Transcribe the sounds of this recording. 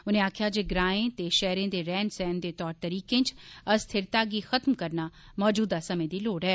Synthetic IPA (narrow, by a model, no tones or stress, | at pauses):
ʊnẽaːkʰjad͡ʒeːɡɾaːẽt̪eʃɛɦɾẽd̪eːɾɛːnsɛːnd̪eːt̪ɔːɾt̪ɐɾiːkẽt͡ʃɐst̪ʰɪɾt̪aːɡixɐt̪mkɐɾna | mɔːd͡ʒuːd̪asɐmẽd̪iloːɽɦɛː